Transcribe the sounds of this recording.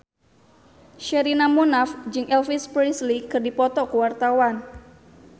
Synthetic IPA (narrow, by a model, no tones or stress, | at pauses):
ʃɛɾinamunafd͡ʒɨŋɛlfispɾislikɨrdipɔt̪ɔkəwart̪awan